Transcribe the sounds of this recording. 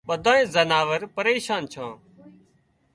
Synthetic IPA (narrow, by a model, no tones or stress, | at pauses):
ɓəd̪ʱãːẽːzənaːʋəɾpəɾeːʃaːnt͡ʃʰãː